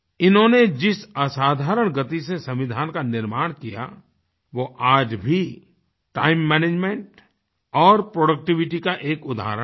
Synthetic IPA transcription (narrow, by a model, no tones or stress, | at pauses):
ɪnɦõned͡ʒɪsasaːd̪ʱaːɾəɽ̃ɡɐt̪isesɐ̃mʋɪd̪ʱaːnkanɪɾmaːɽ̃kija̰ | ʋoʔaːd͡ʒbʱi | ʈaːɪmːɛːneːd͡ʒmɛ̃ɳʈ | ɔːɾpɾoːɖək̚ʈɪʋɪʈikaʔeːkʊd̪ʱa̰ːɾə